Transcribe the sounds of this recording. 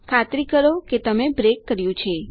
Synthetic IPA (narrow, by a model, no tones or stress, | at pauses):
kʰat̪ɾikəɾoket̪əmebɾekːəɾjũt͡ʃʰe